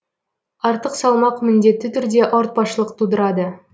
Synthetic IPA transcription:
ɑɾt̪əqsɑlˠmɑqmɪnd̪e̞t̪ːɪt̪ʰʏɾd̪e̞ʔoɾt̪̚bɑʃəlˠəqt̪ʰud̪əɾɑd̪ə

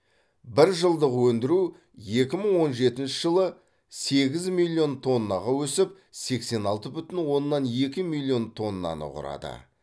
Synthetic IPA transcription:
bɪɾʒəlˠd̪əqwɵnd̪ɪɾu | je̞kʲɪməɴwo̞nʒe̞t̪ɪnʃɪʒəlˠə | se̞ɡʲɪzmilʲˠːio̞nt̪ʰo̞nːɑʁɑwɵsɪp̚ | se̞kse̞nɑlˠt̪əbʏt̪ɪnwo̞nːɑne̞kʲɪmilʲˠːio̞nt̪ʰo̞nːɑ̰nə̰qʊ̰ɾɑ̰d̪ə̰

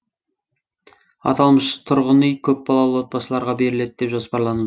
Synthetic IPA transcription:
ɑ̰t̪ɑlˠməʃt̪ʰʊɾʁənijkʲʰɵp̚bɑlˠɑlˠəwot̪̚pɑsəlˠɑɾʁɑbe̞ɾɪle̞d̪̚d̪epʒo̞spɑɾlˠɑnud̪ə

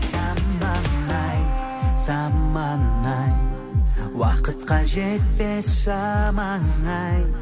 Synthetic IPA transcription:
sɑmːɑŋːɑj | sɑmːɑnɑj | wɑqət̪qɑʒet̪̚pesʃɑmɑŋɑj

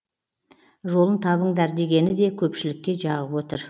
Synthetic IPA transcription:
ʒo̞lˠənt̪ʰɑβəɴd̪æɾd̪e̞ɡʲe̞nɪd̪e̞kʲʰɵpʃɪlɪkʲːe̞ʒɑʁəpwo̞t̪əɾ

